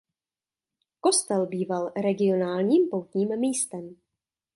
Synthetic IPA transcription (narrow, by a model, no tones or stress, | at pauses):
ko̞st̪ɛlbiːvalɾɛɡɪo̞naːlɲiːmpowt̪ɲiːmːiːst̪ɛm